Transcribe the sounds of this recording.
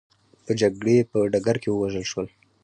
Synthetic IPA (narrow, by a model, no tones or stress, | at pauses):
p̪əd͡ʒaɡɽepəɖaɡaɾkewəwaʒəlʃwəl